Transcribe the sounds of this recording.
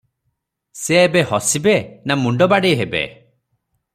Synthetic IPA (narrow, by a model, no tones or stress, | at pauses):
seːbehɔsibenamuɳɖɔbaɽejɦebḛ